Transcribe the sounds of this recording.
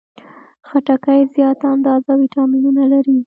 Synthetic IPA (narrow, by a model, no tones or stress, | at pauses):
xaʈakajzjɑt̪and̪ɑzawiʈɑminunalaɾi